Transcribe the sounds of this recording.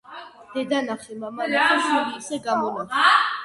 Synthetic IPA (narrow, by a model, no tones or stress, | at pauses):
d̪̥ɛd̪anaχɛmamanatʰɔsɔɾiːsɛɡamɔmaχ